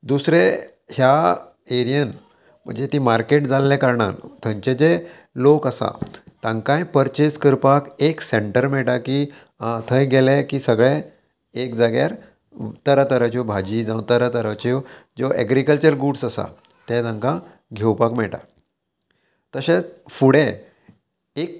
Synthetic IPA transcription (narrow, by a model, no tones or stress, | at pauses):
d̪usɾe | hja | eɾijən | m̤ə̰ɳd͡ʑet̪imaɾkeʈd͡zalːɛ̃kəɾɳa̰nt̪ʰə̃ɲt͡ɕet͡ɕe | lokəsa̰t̪ãŋkãjpəɾt͡ɕeskəɾpakekseɳʈəɾmɛʈaki | t̪ʰəjɡʱelekiːsəɡɭe | ekd͡zaɡja̰ɾ | t̪əɾət̪əɾət͡ɕiobʱad͡ʑid͡zat̪əɾət̪əɾət͡ɕid͡zoʔɛ̰ɡɾikəlt͡ɕəɾɡuʈsasa̰ | t̪ɛ̃t̪ãŋkã | ɡʱewpakmɛɭʈa̰ | t̪əɕẽt͡sfuɽe | ek̚